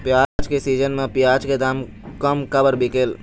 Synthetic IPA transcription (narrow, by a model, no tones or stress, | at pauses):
pjaːd͡ʒkesiːd͡ʒənmẽpjaːd͡ʒked̪aːm | kəmkəbəɾbikeːl